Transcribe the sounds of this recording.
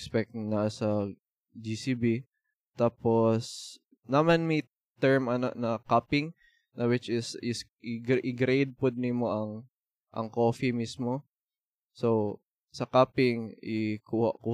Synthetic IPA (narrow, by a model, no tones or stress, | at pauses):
spɛk̚nɐsɐ | d͡ʒisibi | t̪aːpos | nɐmɐnmi | t̪ɛɹmɐno̰ʔnɐkapɪŋ | nɐwɪt͡ʃɪsɪsʔɪɡʔɪɡɾejd̪̚pod̪̚nimoʔɐŋ | ʔɐ̰ŋkoːfimismo | sow | sɐkaːpɪŋʔɪkuːhɐ̰ʔku